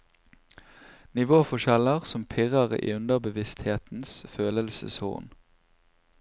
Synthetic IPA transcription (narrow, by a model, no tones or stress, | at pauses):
nɪʋoːfɔʃɛləʁsɔmpʰɪʁəʁḭːʉnd̪əʁbəʋɪst̪heːt̪n̩sføːləlsə̰shṵːʁn